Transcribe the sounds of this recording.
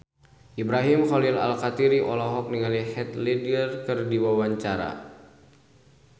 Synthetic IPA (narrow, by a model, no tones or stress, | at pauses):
ʔibɾaɦimχɔlila̰lkat̪iɾiʔɔlɔɦɔk̚niŋalihɛt̪lidrkɨrdiwawaɲt͡ʃaɾa̰